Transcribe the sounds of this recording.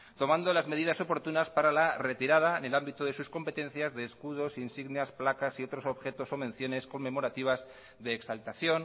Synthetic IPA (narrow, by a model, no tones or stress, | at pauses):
t̪o̞mãnd̪o̞lazme̞ðiðaso̞po̞ɾt̪unaspaɾalare̞t̪iɾað̞aene̞lambit̪oðe̞susko̞mpe̞t̪ẽ̞n̟θjazðe̞ːskuð̞o̞sinsiɣneasplakasio̞t̪ɾo̞so̞βxe̞t̪o̞so̞mẽ̞nθjo̞ne̞sko̞mːẽ̞mo̞ɾat̪iβ̞az | ðe̞ːksalt̪aθjo̞n